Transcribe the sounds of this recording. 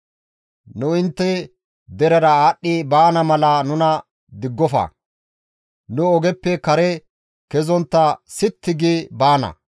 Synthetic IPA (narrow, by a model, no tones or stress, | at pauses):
nʊɪnt̪ːɛ | d̪ɛɾɛɾɐaːɗːɪbaːnɐmɐlɐnʊnɐ | d̪ɪɡːɔfɐ̰ | nʊɔɡɛpːɛkɐɾɛ | kɛzɔnt̪ːɐsɪt̪ːɪɡɪbaːnɐ̰